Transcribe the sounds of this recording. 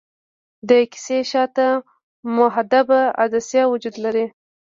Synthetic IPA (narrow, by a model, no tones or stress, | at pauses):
d̪əkɪ̥seʃɑt̪a | mʊɦad̪abaa̰d̪asjɑwʊd͡ʒud̪laɾi